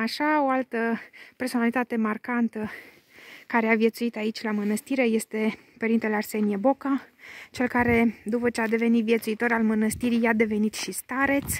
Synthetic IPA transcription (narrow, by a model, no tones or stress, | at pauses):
aʃao̞alt̪əpe̞rso̞nalit̪at̪e̞markant̪ə | kaɾe̞avje̞t̪suit̪ait͡ʃʲlamənəst̪iɾe̞je̞st̪e̞ | pəɾint̪elearse̞niebo̞kat͡ʃe̞lkaɾe̞d̪upət͡ʃead̪e̞ve̞nit̪vjet̪suit̪o̞ɾalmənəst̪iɾijad̪e̞ve̞nit̪ʃist̪aɾe̞t̪s